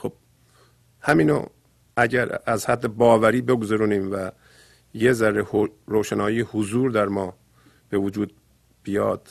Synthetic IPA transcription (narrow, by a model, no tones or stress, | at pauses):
xob̥ | hæmiːno̰ | æɟæɾæzhæd̪ːebɒːvæɾiːbe̞ɡozæɾuːniːmvæ | jezæɾːehoɾoːʃænɒːjiːhʊzuːɾd̪æɾmɒː | b̥evod͡ʒuːd̪̚ | b̥ijɒːd̪̥